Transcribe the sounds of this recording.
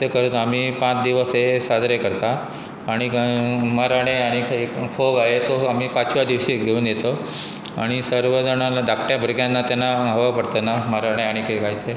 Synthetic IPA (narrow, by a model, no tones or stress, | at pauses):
t̪əkəɾut̪am̤iːpãt͡sd̪iʋəsesad̪ɾekəɾt̪at̪ | aɽ̃imaɾaɽ̃eaɽ̃ikʰaifʰoɡaɦet̪oamiːpat͡sʋad̪iʋɕiːɡʱeuːnjet̪o | a̰ɽ̃isəɾʋəd͡zəɽalaɖakʈjabʱəɾɡjanːat̪janːaɦəʋapəɽt̪ənamaɾaɽ̃eaɽ̃ikʰekaɦit̪ʰe